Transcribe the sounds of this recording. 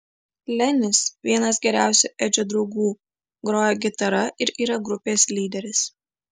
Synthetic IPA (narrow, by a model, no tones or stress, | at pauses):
lʲɛnʲɪsʋʲiɛnɐs̬ɡʲɛɾʲæˑʊsʲuʔɛd͡ʒʲod̪ɾɒʊɡuː | ɡɾoːjoɡʲɪt̪ɐɾɐʔɪɾiːɾɐɡɾʊpʲeːsʲlʲiːd̪ʲɛɾʲɪs